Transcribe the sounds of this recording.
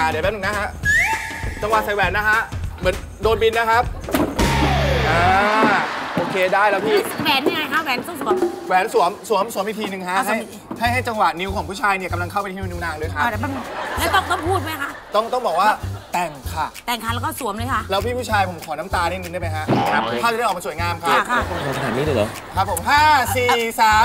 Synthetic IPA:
ʔaː˨˩di˨˩˦bɛː˧˦˥nɯ˨˩na˦˥kʰa˦˥ʔ | t͡ɕa˧ŋwa˨˩sa˧jwɛː˩˦nːa˦˥kʰa˦˥ʔmɯ˩˦ə˦n | doː˧nbi˧nːa˦˥kʰa˦˥p̚ | ʔaaː˧ | ʔoː˧kʰeː˧daː˥˩jlɛː˦˥wpʰiː˦˥˩wɛː˨˩˦nːa˥˩ŋa˧jkʰa˦˥wɛː˨˩˦nt̪ɔ˥˩ŋsu˨˩˦mwɛː˨˩˦nsu˨˩˦əmsu˨˩˦əmsu˨˩˦mi˨˧˩t̪ʰi˧nɯ˨˧ŋkʰa˦˥ha˥˩j | ha˥˩jɦa˥˩jt͡ɕa˧ŋwa˨˩t̪̚ni˦˥wkʰɔː˩˦pʰuː˥˩aː˧jni˥˩ka˧mla˧ŋkʰa˥˩wpa˧nʰiː˦˧ni˧˥naː˧ŋlɤː˧jkʰa˦˧˩lɛː˦˥˦t̪ɔ˥˩ŋt̪ɔ˥˩ŋpʰuː˥˩t̪̚ma˦˥jkʰa˦˥ʔt̪ɔ˥˩ŋt̪ɔ˥˩bɔː˨˩k̚waː˥˩t̪ɛː˨˩ŋkʰa˥˩t̪ɛː˨˩ŋkʰa˧˩lːkɔː˥˩su˨˩˦əmlɤː˧˦jkʰa˥˩ʔlɛː˦˥wpʰiː˥˩pʰu˥˩t͡ɕʰaː˧jpʰo˩˦mkʰɔː˩˦na˦˥mt̪aː˧ɾɛ˥˩jŋːn˧da˥˩ma˦˥kʰa˦˥ʔʰa˥˩t͡ɕjɔː˨˩ma˧su˩˦jŋaː˧mkʰa˦˥˧kʰɔ˧˩˧a˧˩sa˧naː˨˩˦nːiː˥lːlɔ̰˨˦ | kʰa˦˥p̚ʰːo˩˦mɦaː˥˩siː˨˧˨saː˨˦

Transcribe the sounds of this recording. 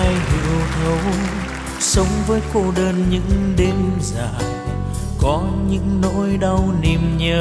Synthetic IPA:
a˧jɦɨ˨˩əwt̪ʰə˨˧˦w | sə˨˦wŋ͡mvəː˨˦jko˧ɗəː˧nɲɨ̰˧˥ŋɗe˨˦nzaː˧˩ | kɔ˨˦ɲɨ̰˧˥ŋno̰˧˥jɗa˧wni˨˩mɲəː˧˩

